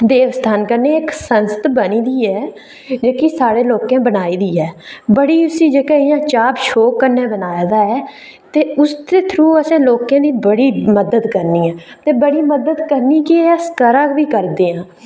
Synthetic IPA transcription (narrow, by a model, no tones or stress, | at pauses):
d̪eːʋəst̪ʰaːnkəɾneːɪksənsə̥t̪bəniːd̪iːɛː | d͡ʒeːkisaːɽeːloːkãːbənaːiːd̪iːɛːbəɽiːʊsiːd͡ʒeːkãːɪjãːt͡ʃaːpʃoːkːəɾnːeːbənaːjaːd̪aːɛː | t̪eːʊst̪eːt̪ʰɾũːəsãːloːkãːd̪iːbəɽiːməd̪əd̪kəɾniːɛ̃ː | t̪eːbəɽiːməd̪əd̪kəɾniːkɪeːəskəɾaːkʋiːkəɾd̪eːãː